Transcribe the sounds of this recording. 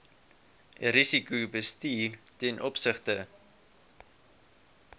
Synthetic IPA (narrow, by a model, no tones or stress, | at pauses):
ɾisikubəstiːrtɛnʔɔpsəχtə